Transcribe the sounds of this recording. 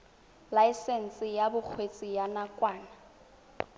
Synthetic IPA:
laɪsɛn̩sɪjabʊk͡xʰwet͡sʼijanakʼwaːna

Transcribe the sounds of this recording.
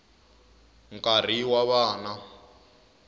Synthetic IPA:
ŋkʼar̤iwaβaːna

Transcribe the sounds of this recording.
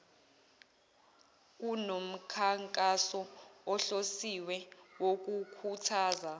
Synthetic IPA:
k̬unom̩kʰaŋkʼasɔɔɬosiwɛwok̬ukʰutʰaːza

